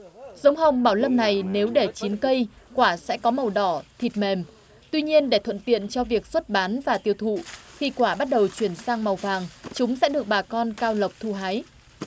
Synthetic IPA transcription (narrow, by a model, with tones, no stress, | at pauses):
zə˨˦ŋ͡mɦə˨˩wŋ͡mɓaː˧˩wlə˧mna˨˩jne˨˦wɗe˧˩t͡ɕi˨˦nkə˧jkwaː˧˩sɛ̰˧˥kɔ˨˦mə˨˩wɗɔ˧˩t̪ʰi˨˩t̚me˨˩m | t̪wi˧ɲi˧ənɗe˧˩t̪ʰwə̰˧˨nt̪ḭ˧˨ənt͡ɕɔ˧vi˨˩ək̚swə˦˥t̚ɓaː˨˦nvaː˨˩t̪i˧əwt̪ʰṵ˧˨xi˧kwaː˧˩ɓa˦˥t̚ɗə˨˩wt͡ɕwi˧˩ənsaː˧ŋma˨˩wvaː˨˩ŋt͡ɕʊ˨˦ŋ͡msɛ̰˧˥ɗɨ˨˩ək̚ɓaː˨˩kɔ˧nkaː˧wlə˨˩wp̚t̪ʰu˧˩ɦaː˨˦j